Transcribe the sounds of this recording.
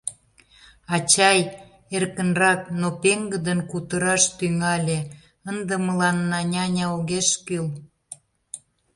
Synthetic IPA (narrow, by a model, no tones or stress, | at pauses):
ɑt͡ɕɑj | erkənrɑk̚nopeŋɡəd̪ənkut̪əɾɑʃt̪yŋɑlʲe | ənd̪ə̆məlɑnːɑnʲɑnʲɑoɣeʃkyl